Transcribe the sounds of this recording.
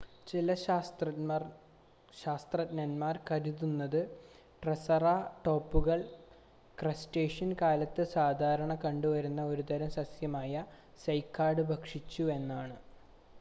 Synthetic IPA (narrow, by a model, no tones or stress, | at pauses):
t͡ɕilɐ | ɕaːst̪rɐtnɐnmaːrkɐɾuðunːɐðɨ | ʈrɐsɐraːʈo̞ːpːuɣɐɭ | krɐsʈe̞ːʂɐnkaːlɐt̪ːɨsaːd̪ʱaːɾɐɳɐkɐɳɖuʋɐɾunːɐo̞ɾud̪ɐɾɐmsɐsjɐmaːjɐ | sɐjkːaːɖɨbʱɐkʂit͡ɕːue̞nːaːɳɨ